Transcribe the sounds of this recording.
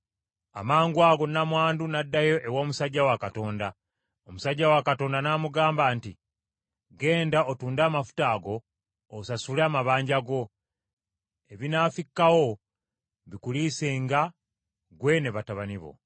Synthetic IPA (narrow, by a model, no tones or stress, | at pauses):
a̰maːŋɡwaːɡo̞namwaːndunadːajo̞ʔe̞wo̞ːmusaɟːawakato̞ːnda | omusaɟːawakato̞ːndanaːmuɡaːmbaːnti | ɡe̞ːndaʔotuːndaːmafu̥taːɡo̞ː | sasuleamaβaːɲɟaɡo̞ | e̞βinaːfikːawo̞ | βikuliseŋɡa | ɡwe̞ne̞βataβaniβo̞̰